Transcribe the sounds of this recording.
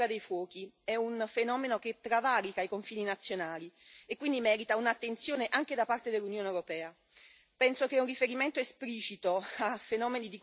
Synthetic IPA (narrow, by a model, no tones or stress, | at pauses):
ɾad̪ejfwɔːk̟iɛunfenɔːmenok̟et̪ːɾavaːɾikaikoɱfiːninat̪sːjonaːliekːwind̪imɛːɾit̪aunat̪ːent̪sjoːneʔaŋk̟ed̪apːart̪ed̪elːunjoːnewɾopɛːa | pɛnsok̟ɛunrifeɾiment̪oespliːt͡ʃit̪oafenɔːmenid̪ik